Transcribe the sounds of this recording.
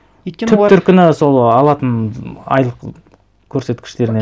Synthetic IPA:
t̪ʰʏp̪ʏɾkʲʏnɪso̞lˠɑlˠɑt̪ənɑ̰jlˠəq | kʲʰːɵɾse̞t̪kʲʰɪ̥ʃt̪e̞ɾɪne

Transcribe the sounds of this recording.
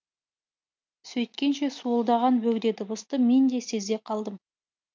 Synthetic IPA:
sɵjt̪̚kʲe̞nʃe̞suəlˠd̪ɑʁɑnbɵɡd̪e̞d̪ɪbəst̪əme̞nd̪e̞se̞ze̞qʰɑlˠd̪əm

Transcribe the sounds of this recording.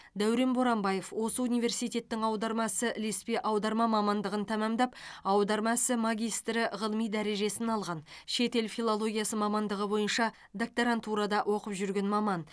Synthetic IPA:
d̪æwɾe̞nboɾɑmbɑje̞fwo̞səunijvʲe̞rsijt̪e̞t̪ːɪŋɑwd̪ɑɾmɑsəlespe̞ʔɑwd̪ɑɾmɑmɑmɑnd̪əʁənt̪ʰæmɑmd̪ɑp̚ɑwd̪ɑɾmɑsəmɑɡʲijst̪ɾɪʁəlˠəmijd̪æɾe̞ʒe̞sɪnɑlˠʁɑnʃe̞t̪e̞lfilˠolˠo̞ɡʲijasəmɑmɑnd̪əʁəbo̞jənʃɑ | d̪ok̚t̪oɾant̪ʰuɾɑd̪ɑʔwo̞qəpʒʏɾɡʲe̞nmɑmɑn

